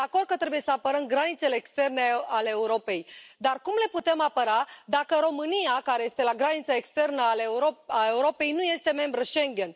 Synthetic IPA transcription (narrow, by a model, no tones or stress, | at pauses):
d̪ako̞rd̪̚kət̪ɾe̞buje̞səapəɾəmɡɾanit̪se̞leːkst̪e̞rneale̞ːuɾo̞pe̞jd̪arkumle̞put̪e̞mapəɾad̪akəɾo̞mɨnijakaɾe̞je̞st̪e̞laɡɾanit̪saekst̪e̞rnəaleoae̞uɾo̞pe̞jnuje̞st̪e̞me̞mbɾəʃe̞ŋɡʲe̞n